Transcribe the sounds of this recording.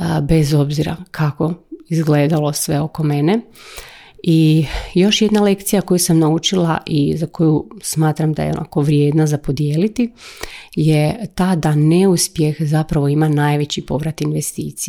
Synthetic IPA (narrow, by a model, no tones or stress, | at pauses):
be̞zo̞bziɾa̰kʰako̞izɡleːd̪alo̞sʋe̞o̞ko̞me̞ne̞ | ijo̞ʃje̞d̪nale̞kt̪sijako̞jusamnaut͡ʃila̰ʔizako̞jusmaːt̪ɾamd̪a̰jḛonʔa̰ko̞ʋɾje̞ːd̪nazapo̞d̪jeːlit̪i | je̞t̪aːd̪ane̞uspje̞xzapɾaʋo̞imanajʋe̞t͡ɕipo̞ʋɾat̪inʋest̪iːt̪sie